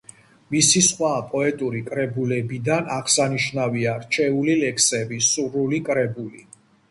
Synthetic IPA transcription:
misisχwapʼɔɛt̪ʼuɾikʼɾɛbulɛbid̪anaʁsaniʃnaviaɾt͡ʃʰɛulilɛkʰsɛbisuɾulikʼɾɛbulḭ

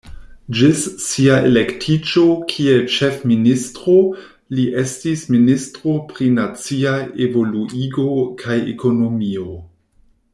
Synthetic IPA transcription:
d͡ʒissiaʔḛle̞ktʰit͡ʃokʰie̞lt͡ʃe̞fministɾo̞ | liʔe̞stisministɾo̞pɾinat͡siaevo̞luiɡo̞kʰajḛko̞no̞mio̞

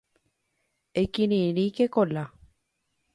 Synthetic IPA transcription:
ekiɾĩɾikekola

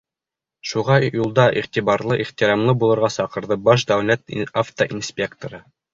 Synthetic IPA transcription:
ʃuʁɑjulˠd̪ɑʔiχt̪iβɑɾlˠɤʔiχt̪iɾɑmlˠɤbulˠɤ̆ɾʁɑsɑqɤ̆ɾðɤbɑʃ̬d̪æwlæt̪aft̪oʔinspʲe̞kt̪oɾɤ

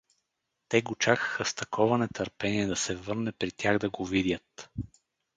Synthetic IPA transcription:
t̪ɛɡot͡ʃakə̥xəst̪ɐkʰɔvɐnɛt̪əɾpɛniɛd̪ɐsɛvɤɾnɛpɾit̪ʲjaɣd̪ɐɡovid̪ʲjət̪

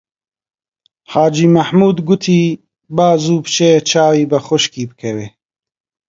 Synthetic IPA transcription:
haːd͡ʒiːmɐħmuːd̪ɡʊt̪ʰiː | baːzuːpt͡ʃet͡ʃʰaːwiːbɐxʊʃkiːbɨkʰɐweː

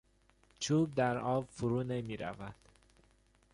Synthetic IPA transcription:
t͡ʃʰuːb̚d̪æɾɒːbfuɾuːnemiːɾæ̰væd̪̥

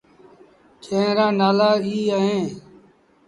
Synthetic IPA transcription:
t͡ʃʰẽːɾãːnaːlaːiːaːɦẽː

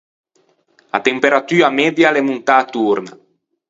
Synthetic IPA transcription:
a̰t̪empeɾat̪yːamɛd̪jalemunt̪aːt̪urna̰

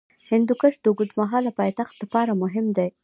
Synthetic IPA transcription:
hɪnd̪ukəʃd̪əɡʊd̪maɦɑlapɑjt̪axt̪lapɑɾamʊɦɪmd̪aj

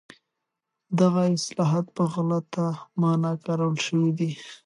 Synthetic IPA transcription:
d̪aɣaɪslɑɦɑt̪̚pəɣalat̪ːamɑnakaɾawlʃəwid̪i

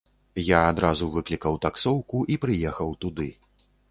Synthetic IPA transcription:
jaːd̪ɾazuvɨklʲikɐwt̪aksɔwkuʔipɾɨjɛxɐwt̪ud̪ɨ

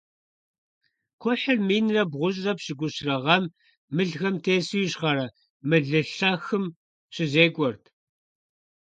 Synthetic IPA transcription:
kʷʰɔħɪrmiːnrɐbʁʷʊʑrɐpɕɪɡʷʊɕrɐʁɐmː | ɨɮɣɐmtʰeːsujɪɕχɐɾɐ | mɨɮɨɬɐxɨm | ɕɪzeːɡʷʼɔrtʰ

